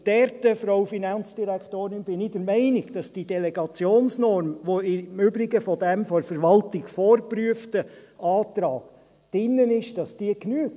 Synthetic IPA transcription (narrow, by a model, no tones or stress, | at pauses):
d̥ɛɾtəfɾoʊfinɑnt͡sd̥iɾæktoːɾɪnbɪnɪdəɾmɛɪnɪɡ̥d̥ɑsd̥idɛlɛɡɑt͡sjoːnsnɔɾmʋoɪmʏbɾɪɡəfɔdɛmfɔɾfəɾʋɑltɪɡfɔːɾpryəftəɑːtɾɑːɡ̥ | d̥ɪnːənɪʃd̥ɑsd̥iəknyːɡ